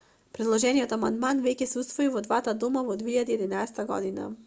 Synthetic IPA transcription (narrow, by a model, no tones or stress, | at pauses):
pɾɛd̪lˠɔʒɛniɔt̪amand̪manvɛcɛsɛust̪vɔivɔd̪vat̪ad̪ɔmavɔd̪viiʎad̪iɛd̪inaɛsɛ̥t̪aɡɔ̰d̪ina̰